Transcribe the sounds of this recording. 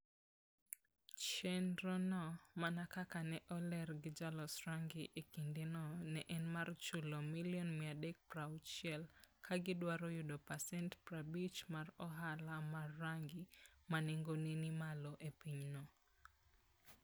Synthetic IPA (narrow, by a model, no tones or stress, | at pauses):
t͡ʃɛndɾɔnɔmanakakanɛʔɔlɛrɡɪd͡ʒalɔsɾaŋɡiʔekindenɔnɛʔɛnmart͡ʃulɔmiljɔnmɪadek̚praʊt͡ʃɛlkʰaɡɪdwaɾɔjudopasɛntpɾabit͡ʃmarɔɦalamarːaŋɡimanɪŋɡoninimalɔʔepiɲnɔ